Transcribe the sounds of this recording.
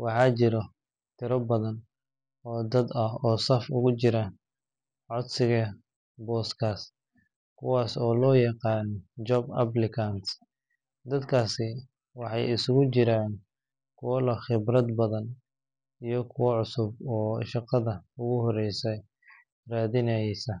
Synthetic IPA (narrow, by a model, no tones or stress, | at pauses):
wɑħɑːt͡ʃɪɾɔ | t̪ʰɪɾɐbɐðɐn | ɔːd̪ɐd̪ɐɦɔːsɐfʊɣʊt͡ʃɪɾaːn | ʕɔd̪sɪɣɐ | bɔːskʰaːs | kʰʊwaːsɔːlɔːjɑqɑːnd͡ʒɔbɐ̰blɪkʰant̪ | d̪ɐd̪kʰaːsɪ | wɑħɑ̰jɪsʊɣʊt͡ʃɪɾaːn | kʰʊwɐlɐχɪbrɐd̪bɐðɐn | ijɞkʰʊwɐʕʊsʊbɔːʃɑqɑðɐʊɣʊɦɔɾɛjsɛ | raːðɪnɛsɐ